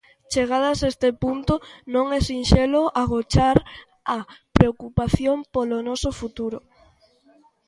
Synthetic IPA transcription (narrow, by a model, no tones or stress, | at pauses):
t͡ʃeɣ̞að̞ɐsaest̪epunt̪ʊnõŋɛsinʃeloʔaɣot͡ʃaɾ | apɾeokupaθjompolonɔsofut̪uɾo